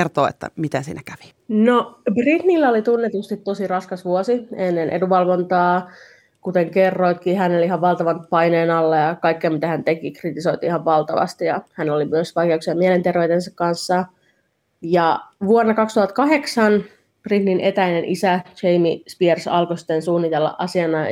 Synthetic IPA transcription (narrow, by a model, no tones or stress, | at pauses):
ert̪oːḛt̪ːæ̰mit̪ensḭːnækæʋi̥ | nobrit̪nilːæolit̪unːet̪ust̪it̪t̪o̞sirɑskɑsʋuosienːenʔḛduʋɑlʋont̪ɑː | kut̪eŋkerːoit̪̚kiːɦænoliɦɑʋʋɑlt̪ɑʋɑnt̪pɑineːnɑlːɑjɑkɑikːeɑmit̪æhænt̪ekikrit̪iso̞it̪ihɑʋʋɑlt̪ɑʋɑ̰st̪ijɑhænolimyøsʋɑjkeuksiɑmielent̪erʋeyt̪ensɑkkɑnsːɑ | jɑʋuonːɑkɑkst̪uhɑt̪kɑɦe̞ksɑn | b̥rit̪ninʔet̪æinenʔisæt͡ʃeimispiersɑ̰lkosi̥t̪ːensuːnːit̪elːɑ̰ʔɑsiɑnɑ